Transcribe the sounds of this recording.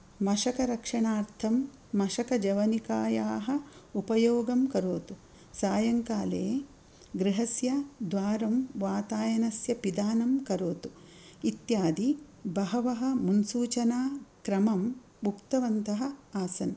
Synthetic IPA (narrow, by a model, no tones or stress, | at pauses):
mɐʂɐkɐɾɐkʂɐɳaːɾt̪ʰɐmː | ɐʃɐkɐd͡ʒɐʋɐnikaːjaːɦɐ̆upɐjoːɡɐmkɐɾoːt̪u | saːjɐŋkaːleː | ɡɾiɦɐsjɐd̪ʋaːɾɐmʋaːt̪aːjɐnɐsjɐpid̪aːnɐmkɐɾoːt̪u̥ | it̪jaːd̪i | bɐɦɐʋɐɦɐ̆munsuːt͡ʃɐnaːkɾɐmɐm | bʱukt̪ɐʋɐnt̪ɐɦɐ̆aːsɐn